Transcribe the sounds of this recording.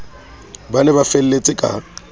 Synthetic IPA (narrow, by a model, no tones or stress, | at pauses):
banɛbafɛl̩let͡sʼɪkʼa̰